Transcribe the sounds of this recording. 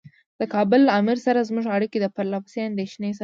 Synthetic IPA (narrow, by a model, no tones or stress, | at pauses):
d̪̥əkɑbʊlamɪɾsaɾazmuʒaɽiked̪əpaɾlawsend̪eʃnes